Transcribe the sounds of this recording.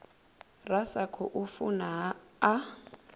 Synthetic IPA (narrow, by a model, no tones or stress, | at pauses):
rasakʰɔʔufunaɦaː